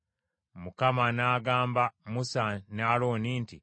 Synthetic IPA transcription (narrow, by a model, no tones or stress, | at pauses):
mukamanaːɡaːmbamusanaːloːniːnti